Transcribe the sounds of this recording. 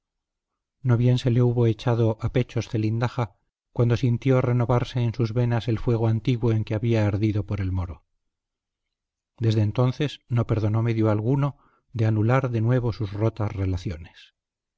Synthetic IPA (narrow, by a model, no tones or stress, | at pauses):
no̞βje̞nse̞le̞uβo̞et͡ʃað̞oʔape̞t͡ʃo̞sθe̞lind̪axa | kwand̪o̞sint̪jo̞re̞no̞βaɾse̞ːnsuzβe̞nase̞lfwe̞ɣ̞oant̪iɣwo̞e̞ŋkeaβiaːɾðiðo̞poɾe̞lmoɾo̞ | d̪e̞zðeːnt̪o̞nθe̞sno̞peɾðo̞no̞me̞ðjoalɣ̞uno̞ | ðe̞anulaɾðe̞nwe̞β̞o̞suzro̞t̪asre̞laθjo̞nes